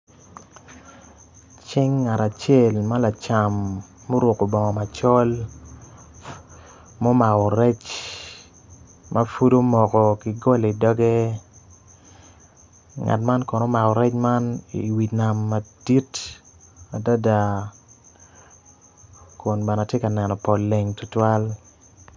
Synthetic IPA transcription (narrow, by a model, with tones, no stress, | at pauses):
t͡ʃɪ˦ŋːa˨ɾa˨t͡ʃe˦˨lma˦la˨t͡ʃa˨mː | o˦ɾʊ˨ko˨bɔ˨ŋɔ˨ma˨t͡ʃɔ˦l | mo˦ma˨ɔ˨ɾɛ˦t͡ʃ | mʔa˦fu˦do˦mɔ˨kɔ˨kɪ˨ɡɔ˦le˨i˨dɔ˦ɡɛ˦ | ŋa̰˨tma˦nkɔ˨no˦ma˨ɔ˨ɾɛ˦t͡ʃma˦niwi˨na˨mːa˨d̥i˦t | a˨da˦da˨ | kʊ˨nba˨na˨tje˦ka˨nɛ˨nɔ˨pɔ˨lːe˨ŋtʊ˦twa˦l